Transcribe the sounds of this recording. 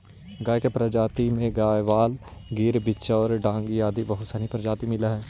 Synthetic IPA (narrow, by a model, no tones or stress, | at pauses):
ɡaːjkepɾəd͡ʒaːt̪imẽɡaːjʋaːlɡiːɾbɪtːʃaɔːɾɖãːŋɡiaːd̪ibɐɦʊt̪saːɾipɾəd͡ʒaːt̪imɪlaɦɛː